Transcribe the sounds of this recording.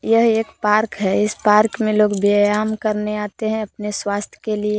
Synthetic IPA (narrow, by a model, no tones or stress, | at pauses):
jəɦeːkpaːɾkɦɛɪspaːɾkmẽloːɡbejaːmkəɾneaːt̪eɦɛ̃ɐpneswaːst̪ʰjə̥kelie